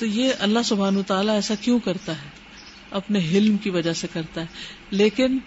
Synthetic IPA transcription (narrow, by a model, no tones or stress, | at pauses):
t̪ojeɐlːaɦsʊbʱaːnʋət̪aːlaɛːsakjõkɐɾt̪aɦɛː | ɐpneɦɪlmkiʋɐd͡ʒasekɐɾt̪aɦɛ | leːkɪn